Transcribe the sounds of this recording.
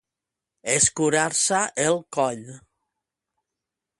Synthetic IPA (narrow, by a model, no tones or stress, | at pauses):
eskuɾaɾsaʔelˠkɔʎ